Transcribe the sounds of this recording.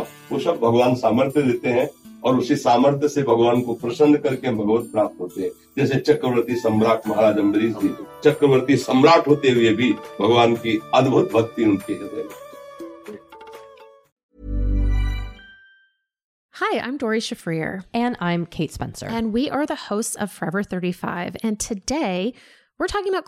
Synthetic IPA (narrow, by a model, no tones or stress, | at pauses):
ʋoːsɐb̚bʱɐɡʋaːnsaːməɾt̪ʰjəd̪eːt̪eɦɛ̃ | ɔːɾʊsisaːməɾt̪ʰjəsebʱɐɡʋaːnkopɾɐsə̃nd̪ʱkɐɾkebʱɐɡbət̪̚pɾaːp̚t̪ɦoːt̪eɦɛ̃ː | d͡ʒɛːset͡ʃɐkɾəʋəɾt̪isɐ̃mɾaːʈʰmɐɦaːɾaːd͡ʒə̃mbɾiːd͡ʒd͡ʒit͡ʃɐkɾəʋəɾt̪isɐ̃mɾaːʈʰɦoːt̪eɦʊebʱibʱɐɡʋaːnkiəd̪bʱʊt̪̚bʱəkt̪iʊnt̪iɦɛt̪ɛ̃ | haɪã̰ɪ̃mdɔɹiʃəfɹiɹɨ̃nãɪ̃mkʰeɪtspɛ̰̃nsə̰˞ɨ̃nwiʔə˞ðəhoʊstsʌ̰v̥fɹɛvə˞θɜ˞ɾifa̰ɪvɨ̃ntʰɨdeɪ | wɪɹtʰɔkɪ̃ŋəbaʊt